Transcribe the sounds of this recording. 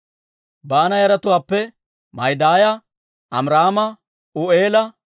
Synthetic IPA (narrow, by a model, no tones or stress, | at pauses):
baːnɐjɐɾɐt̪ʊwaːpːɛ | mɐjd̪aːjɐ | ɐmɾaːmɐ | ʊeːlɐ